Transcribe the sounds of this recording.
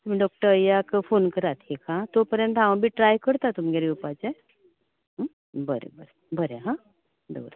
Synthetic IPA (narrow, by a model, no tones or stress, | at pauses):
t̪ʊmɖɔːk̚ʈəɾəjakpʰoːnkəɾat̪ʰekʰãːt̪opəɾjə̃nt̪ãʋ̃bʱiʈɾaːjkəɾt̪at̪ʊmɡeɾiupat͡ʃɛ | ɦ | bəɾḛbəɾe | bʱəɾeɦã | d̪o̰ːɾ